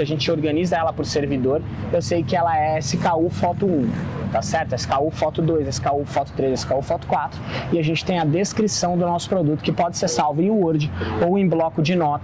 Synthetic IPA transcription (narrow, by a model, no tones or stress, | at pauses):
ɐʒẽnt͡ʃɪoɾɡɐ̃nizɐɛlɐpʊɾseɾvid̪oɾ | ewsejʊkɪɛlɐɛsɪkaufɔt̪ʊũt̪asɛɾt̪ʊɛsɪ̥kaufɔt̪ʊd̪ojzɛsɪ̥kaufɔt̪ʊ̥t̪ɾezɛsɪ̥kaufɔt̪ʊ̥kwat̪ɾʊɪaʒẽnt͡ʃɪ̥t̪ẽj̃ɐd̪eskɾisɐ̃w̃d̪ʊnɔsʊ̥pɾod̪ut̪ʊ̥kɪpɔd͡ʒɪseɾsawvʊẽj̃uuɾd͡ʒɪowẽj̃blɔkʊd͡ʒɪnɔt̪ɐ